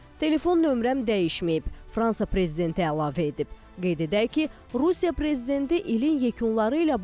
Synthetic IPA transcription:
t̪ʰe̞le̞fo̞nːø̞mɾæmd̪æjiʃmijib̥fɾɑnsɑpɾe̞zid̪e̞nt̪ʰiælˠɑːvæed̪ib̥ | ɡe̞jd̪e̞d̪æɾcʰi | ɾusijɑpɾe̞zid̪e̞nt̪iʔilinjecʰunlˠɑɾɯilæb

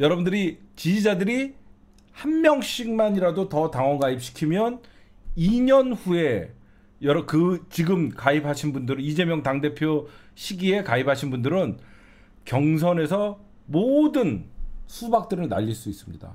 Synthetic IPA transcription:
jʌɾʌbundɯɾit͡ɕid͡ʑid͡ʑadɯɾi | hanmjʌŋɕ͈ʰiŋ̚maɲiɾadotʌtaŋʌɡaip̚ɕ͈ʰi̥kʰimjʌn | iɲʌnɸue̞ | jʌɾʌkɯt͡ɕiɡɯmkaipʰaɕʰinbundɯɾɯnid͡ʑe̞mjʌŋtaŋde̞pʰjo | ɕʰiɡie̞kaipʰaɕʰinbundɯɾɯn | kjʌŋs̬ʰʌne̞sʰʌ | modɯnsʰubak̚t͈ɯɾɯɭna̰ʎːiɭs͈uis͈ɯmɲḭda̰

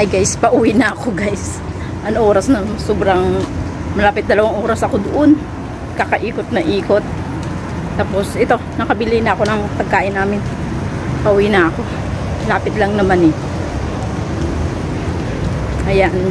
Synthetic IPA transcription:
jɡajspɐʔuːwinɐːko̞ɡajs | ʔɐnʔo̞ːɾɐsnɐsoːbɾaŋ | mɐlaːpɪt̪̚d̪ɐlɐwaŋʔoːɾɐsɐko̞d̪ʊʔo̞n | kakɐʔiːkot̪̚nɐʔiːko̞t̪̚ː | aːpo̞sʔɛt̪o̞nɐkɐbɪlinɐɐko̞nɐŋpɐɡ̚kaːʔɪnːaːmɪn | pɐʔʊwinɐɐko̞ | mɐlaːpɪt̪lɐŋnɐmanɛ | ʔɐjan

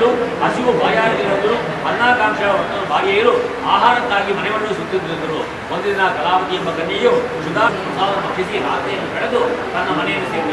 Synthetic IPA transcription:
ɾuɐsiʋubʱaːjaːɾɐk̪iɦɐnd̪ɐɾu | ɦɐnːaːkaːŋʂɐɐʋɐt̪ːɐnubʱaːɾjɐjɐɾu | aːɦaːɾɐt̪ːaːɡimɐnɛʋɐɳːusut̪ːid̪iɾud̪ɐɾu | ond̪ud̪inɐkɐlaːpɐt̪ijɐmbɐkɐnjɐju | ʃud̪aːɐnɐmɐt̪ːaːʋɐnːɐkʂisiɾa̰ːt̪ɛjɐnːukɐɽed̪ut̪ɐnːɐmɐnɛjɐnːuseːɾid̪ɐ

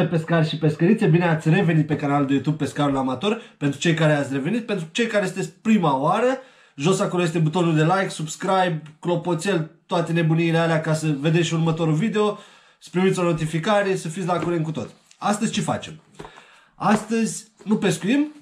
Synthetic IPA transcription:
epe̞skarʲʃipe̞skəɾit̪se̞bine̞at̪sʲre̞venit̪̚pe̞kanald̪e̞jut̪ub̚pe̞skaɾulamat̪o̞rpe̞nt̪ɾut͡ʃe̞jkaɾeat̪sʲre̞ve̞nit̪̚pent̪ɾut͡ʃe̞jkaɾe̞sɨnesʲpɾimaoaɾə | ʒo̞sako̞loje̞st̪e̞but̪o̞nuld̪e̞lajksubskɾajbklo̞po̞t̪se̞lt̪oat̪e̞ne̞buniːlealeakasəve̞d̪eʃʲurmət̪o̞ɾuvid̪e̞o̞ | spɾimit̪sʲo̞no̞t̪̬ifikaɾesəfit̪sʲdlakuɾenkut̪o̞t̪sʲ | ast̪əzʲt͡ʃe̞fa̰t͡ʃe̞m | ast̪əzʲnupe̞skujim

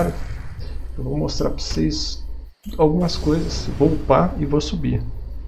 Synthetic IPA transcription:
ɾʊ | ewvomost̪ɾa̰ɾpo̥sejs | awɡũmɐskojzɐsvoupaɪvosubi

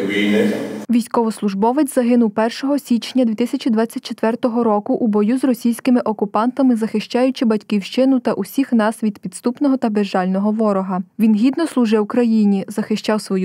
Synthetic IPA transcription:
ʋʲijnɪʋʲijsʲkɔʋɔslˠʊʒbɔʋɪt͡sʲzɐɦɪnʊwpɛrʃɔɦɔsʲit͡ʃnʲːɐd̪ʲʋʲit̪ɪsʲɐt͡ʃid̪ʋɑt͡sʲːɐtʲt͡ʃet̪ʋɛrt̪ɔɦɔɾɔkʊʔubɔjuzrɔsʲijsʲkɪmɪʔɔkʊpɑnt̪ɐmɪzɐxɪʃt͡ʃɑjʊt͡ʃɪbɐtʲkiwʃt͡ʃɪnʊt̪ɐʔusʲixnɑsʋʲid̪pʲid̪st̪upnɔɦɔt̪ɐbeʒɑlʲnɔɦɔʋɔɾɔɦɐʋʲinɦʲid̪nɔslˠʊʒɪwkɾɐjinʲizɐxɪʃt͡ʃɑwsʋɔju

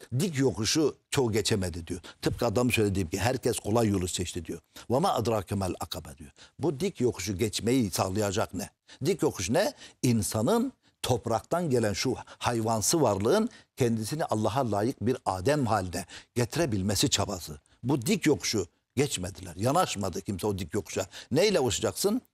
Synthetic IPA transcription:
d̪ikʰjoquʃut͡ʃʰoɟɛt͡ʃʰɛmɛd̪id̪ijot̪ʰɯp̚kʰiɑd̪ɑmsøjlʲɛd̪iip̚ciɦæɾcʰɛskʰolˠɑjːolˠut͡ʃ̪ɛʃt̪ʰid̪ijobanɑʔɯd̪ɾɑːkʰamɑlɑkʰɑbɛd̪ijobud̪ikʰjokʰu̥ʃ̬uɟɛt͡ʃmɛjisɑɣlˠɯjɑd͡ʒɑqnɛ | d̪ikjokʰuʃ̬unɛinsɑnɯn | t̪ʰo̞pʰɾɑqt̪ɑnɟɛlɛnʃuhɑjvɑnsɯvɑɾlˠɯɯncʰɛnd̪isiniʔɑlˠːɑɦɑlˠɑːjɯq̚biɾɑːd̪ɛmhaːlinɛɟ̥ɛt̪ʰiɾɛbilmɛsit͡ʃʰɑbɑsɯ | bud̪ikʰjoqu̥ʃu | ɟʲɛt͡ʃmɛd̪ilæɾjɑnɑʃmɑd̪ɯcʰimsɛod̪ikʰjoqʰu̥ʃanɛjlɛoʃad͡ʒɑqsɯn

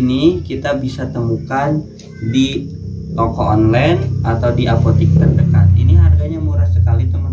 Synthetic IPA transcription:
nikit̪abisat̪əmukan | di | t̪okɔʔɔnlajnat̪awdiʔapot̪ik̚t̪ərdəka̰t̪̚iniɦarɡaɲamoɾasəkalit̪əmə

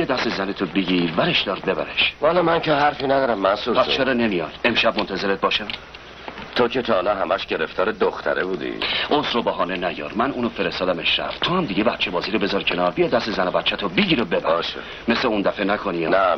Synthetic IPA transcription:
bijɒd̪æst̪ezænet̪ʰobeɟiɾvæɾeʃd̪̥ɒːɾbe̞bæɾeʃvalɒmænceɦæɾfinæd̪ɒːɾæmːæsupʰæst͡ʃʰeɾɒːne̞mijɒd̪e̞mʃæbmont̪ʰæze̞ɾet̪̚bɒːʃæ | t̪ʰocet̪ʰɒːnɛɦæmæʃɟeɾeft̪ʰɒːɾed̪oxt̪ʰæ̰ɾebuːd̪ḭozɾobɒɦɒːnenæjɒ̰ːɾmænuːnofeɾest̪ɒːd̪æmeʃɾæ̰ft̪ʰohæmd̪iɟebæt̪̚t͡ʃebɒːziːɾobe̞zɒɾcʰenɒːɾbijɒːd̪æst̪ezænobæt̪̚t͡ʃʰæt̪ʰobeɟiɾobe̞bæɾʃḛ | me̞sleund̪æfenækʰonijɒnæ

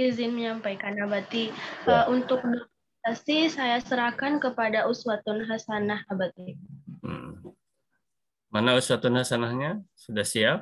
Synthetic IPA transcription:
izɪnməɲampajkanabat̪iəunt̪ʊk̚dokumɛt̪asisajasəɾahkankəpadaʔuswat̪ʊnɦasanahabat̪ḭ | manausuwat̪unhasanahɲasudahsiap̚

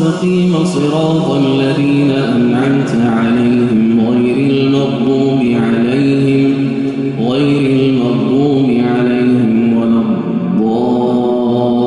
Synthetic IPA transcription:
ɑqiːmasˤɨɾɑːt̪ˤalːaðiːnaʔanʕamt̪ʕalajhɪmɣajɾalmɑdˤluːmɪʕalajhɪm | ɣajɾalmɑdˤluːmɪʕalajhɪmwalɑb | d̪ˤːɑː

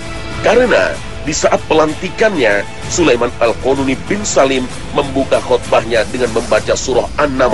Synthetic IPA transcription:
kaɾəna̰ | disaʔat̪̚pəlant̪ikanɲa | sulajmanalkonunipɪnsalɪmː | əmbukahɔt̪̚bahɲadəŋanməmbat͡ʃasuɾɔhanːama

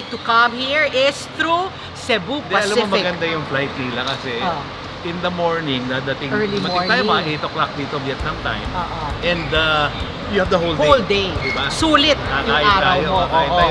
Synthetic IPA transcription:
k̚t̪ukɐ̃mhiɹɪst̪ɾu | sɛbud̪ɛɐlɐmmomɐɡɐnd̪ajʊŋflajt̪̚iːlɐkɐsɛ | ʔɪ̃nd̪ɐmoɹnɪŋd̪ad̪ɐt̪ɪŋlmɐkɪaːjomɐɐʔejt̪oklak̚d̪iːt̪objɛt̪̚nɐŋt̪a̰jmːoʔɛ̃nd̪ɐ | jʊhɛvd̪ɐɦoldhold̪ejd̪ɪbasuːlɪt̪̚kakaːʔɪtt̪aːjooaʔkaːjɪaːj

